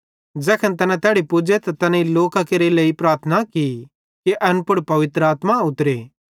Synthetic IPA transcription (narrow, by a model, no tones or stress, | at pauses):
d͡ʒɛːkʰənt̪ɐnɛ̃t̪ɛːɽipʊd͡ʒet̪at̪ɐnɛ̃iloːkakeɾeleːipɾaːɾt̪ʰənaki | kiʔɐnpʊɽpɐʋɪt̪ɾəaːt̪maʊt̪ɾeː